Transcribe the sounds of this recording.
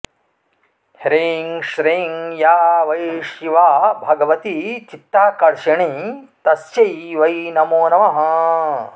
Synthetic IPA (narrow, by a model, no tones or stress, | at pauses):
hɾiːŋʃɾiːŋjaːʋɐjʃiʋaːbʱɐɡɐʋɐt̪it͡ʃit̪ːaːkɐɾʃɐɳit̪ɐsjɐjʋɐjnɐmoːnɐʋɐɦɐ̆